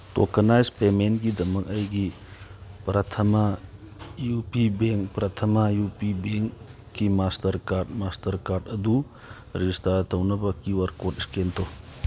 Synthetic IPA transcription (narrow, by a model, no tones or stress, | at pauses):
to̰kɐnajzpementɡidɐmɐk̚ɐjɡi | pɾɐtʰɐmɐ | jupibeŋkpɾɐtʰɐmɐjupibeŋkː | imastɐɾkaɾt̚mastʰɐɾkaɾdɐdu | ɾistaɾtʰɐwnɐbɐkiwɐɾkotiskentʰo